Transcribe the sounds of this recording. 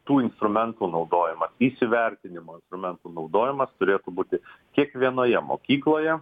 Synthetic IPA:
t̪uːɪnst̪ɾʊmʲɛnt̪uːnɒʊd̪oːjɪmɐsiːsʲɪʋʲɛɾʲt̪ʲɪnʲɪmoːɪnst̪ɾʊmʲɛnt̪uːnɒʊd̪oːjɪmɐst̪ʊɾʲeːt̪ʊbuːt̪ʲɪkʲiɛkʋʲiɛnoːjɛmo̰ːkʲiːklˠoːjɛ

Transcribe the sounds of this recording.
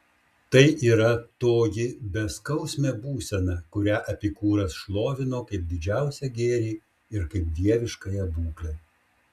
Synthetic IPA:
t̪ɐɪʔiːɾɐt̪oːjɪbʲɛskɐʊsʲmʲɛːbuːsʲɛnɐkʊɾʲæːʔɐpʲiːkuːɾɐsʃlˠoːʋʲɪnoːkɐɪp̚d̪ʲɪd͡ʒʲæˑʊsʲɛɡʲeːɾʲiː | ɪɾkɐɪp̚d̪ʲiɛʋʲɪʃkɐjɛbuːklʲɛ

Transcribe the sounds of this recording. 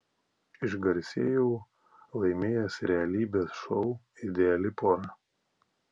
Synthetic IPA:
ɪʃɡɐɾʲsʲeːjuː | lˠɐɪmʲeːjɛsʲɾʲɛɐlʲiːbʲeːsʃɔʊ | ɪd̪ʲɛɛlʲɪpɔnɐ

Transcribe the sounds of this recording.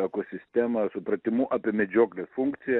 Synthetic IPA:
ɛkosʲɪsʲt̪ʲɛmɐsʊpɾɐt̪ʲɪmuʔɐpʲiɛmʲɛd͡ʒʲoːklʲesfuŋkt̪sʲɪjɛ

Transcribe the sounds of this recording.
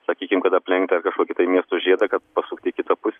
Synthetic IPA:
sɐkʲiːkʲɪmkɐt̪ɐpʲlʲɛŋkt̪ʲɐrkɐʃkuɔkʲɪt̪ɐɪmʲiɛst̪ʊʒʲiɛd̪ɐkɐt̪pɐsuːkt̪ʲɪkʲɪt̪ɐpʊsʲ

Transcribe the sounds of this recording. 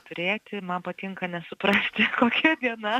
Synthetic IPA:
t̪ʊɾʲeːt̪ʲɪmɐnpɐt̪ʲɪŋkɐnʲɛsʊpɾɑːsʲt̪ʲɪkoːkʲɛd̪ʲiɛnɐ

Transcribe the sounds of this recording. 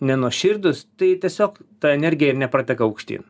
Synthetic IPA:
nʲɛnuɔʃʲɪɾd̪ʊst̪ɐɪt̪ʲiɛsʲoːkt̪ɐɛnʲɛɾʲɡʲɪjɛɪɾnʲɛpɾɐːt̪ʲɛkɐɐʊkʃʲt̪ʲḭːn

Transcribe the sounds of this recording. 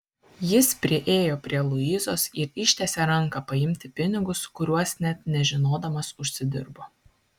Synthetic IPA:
jɪspʲɾʲɪʔeːjoːpʲɾʲiɛlˠʊiːzoːsɪɾɪʃʲt̪ʲɛsʲeɾɐŋˑkɐpɐɪmʲt̪ʲɪpʲɪnʲɪɡʊskʊɾʲuɔsnʲɛt̪nʲɛʒʲɪnoːd̪ɐmɐsʊʃʲsʲɪd̪ʲɪɾbo

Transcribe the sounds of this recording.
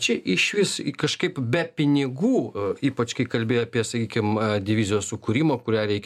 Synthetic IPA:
t͡ʃʲɛʔɪʃʲʋʲɪskɐʃkɐɪpbʲɛpʲɪnʲɪɡuːiːpɐt͡ʃkɐɪkɐlʲbʲeːjoɐpʲiɛsɐkʲiːkʲɪmd̪ʲɪʋʲɪzʲɪjoːssʊkʊɾʲiːmoːkʊɾʲæːɾʲɛɪkʲ

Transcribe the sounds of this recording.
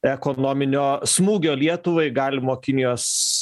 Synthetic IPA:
ɛkoːnoːmʲɪnʲoːsmuːɡʲoːlʲiɛt̪ʊʋɐɪɡɑːlʲɪmoːkʲɪnʲɪjoːs

